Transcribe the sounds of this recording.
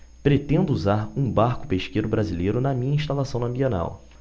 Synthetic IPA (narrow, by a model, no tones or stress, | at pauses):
pɾet̪ẽnd̪ʊuzaɾũbaɾkʊ̥peʃkejɾʊbɾazilejɾʊnɐmĩɲɐĩʃt̪alasɐ̃w̃ɐ̃mbiẽna̰w